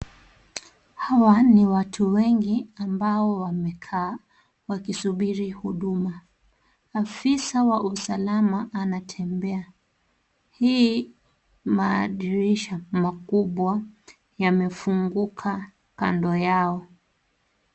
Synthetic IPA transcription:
hawaniwatʰuwɛŋɡiambaɔwamɛkʰa | wakisuɓiɾihuɗumaː | fisawaʔusalamaʔːnatʰɛmbɛa | hi | maːɗiɾiʃamakuɓwa | jamɛfuŋɡukʰa | ka̰ndɔjaɔ

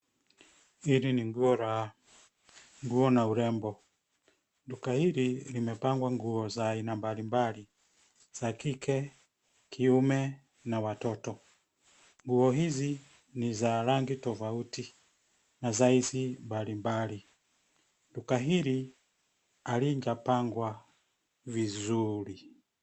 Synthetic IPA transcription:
iɾiniŋɡuɔɾa | ŋɡuɔnauɾɛmbɔ | ndukahiɾilimɛpaŋɡwaŋɡuɔzainambalimbali | z̥akikʰɛ | kʰiumɛ | nawatɔtɔ | ŋɡuɔɦizi | nizaɾaŋɡitɔfauti | nazaizimbalimbali | ndukaɦiɾi | aliɲd͡ʒapaŋɡwa | vizuɾi

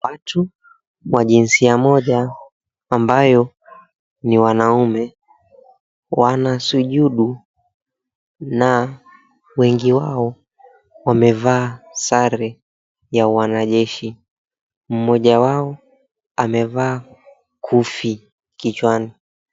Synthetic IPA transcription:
watu | waʄinsiamɔʄaː | mbajɔ | niwanaumɛ | wanasuʄuɗu | na | wɛŋɡiwaɔ | wamɛvaːsaɾɛ | jawanaʄɛʃi | m̩mɔʄawaɔ | amɛvaː | kʰufi | kit͡ʃwani

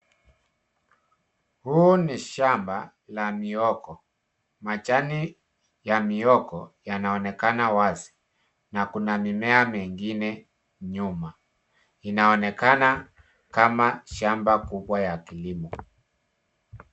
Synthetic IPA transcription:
huniʃamba | lamiɔkɔ | mat͡ʃani | jamiɔkɔjanaɔnɛkanawazi | nakunamimɛamɛŋɡinɛ | ɲuma | inaɔnɛkana | kamaʃambakuɓwajakilimɔ

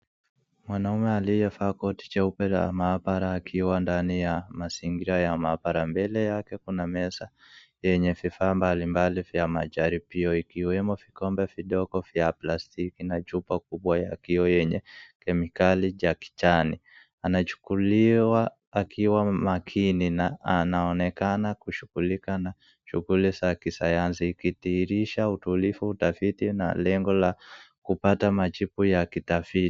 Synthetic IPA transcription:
mwanaumɛalijɛfaːkɔti̥t͡ʃɛupɛla̰maːbaɾaːkʰiwandanijamasiŋɡiɾajamabaɾambɛlɛjakɛkunamɛsa | jɛɲɛvifaːmbalimbalivjamaʄaɾipiɔikiwɛmɔvikɔmbɛviɗɔɡɔvjaplastikinat͡ʃupakuɓwajakiɔjɛɲɛkɛmikaliʄaki̥t͡ʃanḭ | anat͡ʃu̥kuliwaː | kʰiwamakʰininaanaɔnɛkanakuʃuɡulikana | ʃuɣulisakisajansiːkitiːɾiʃautulifuːtafitina̰lɛŋɡɔlakupatamat͡ʃipujakitafiti̥

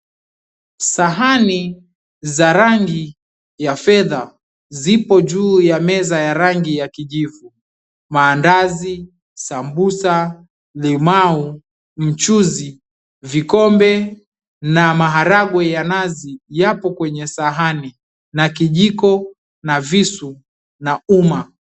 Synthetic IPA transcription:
saɦani | zaɾaŋɡi | jafɛða | zipɔd͡ʒuːjamɛzajaɾaŋɡijakiʄivu | maːndazi | sambusa | limau | m̩t͡ʃuzi | vikɔmbɛ | namaɦaɾaɠwɛjanazijapɔkwɛɲɛsaɦani | nakiʄikɔ | navisu | nauma

